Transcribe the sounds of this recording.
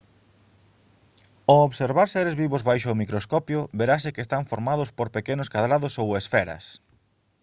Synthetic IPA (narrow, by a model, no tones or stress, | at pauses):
ooβseɾβaɾseɾezβiβʊzβajʃ̬ʊmikɾoskɔpjʊbeɾasekeːst̪aɱfoɾmaðʊspoɾpekenʊskaðɾaðʊsowesfɛɾɐ̰s